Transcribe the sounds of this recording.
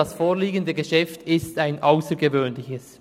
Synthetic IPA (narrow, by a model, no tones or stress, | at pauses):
ɑsfoːliːɡəndəɡəʃɛftɪstaɪnʔaʊsəɾɡəvøːnlɪçəs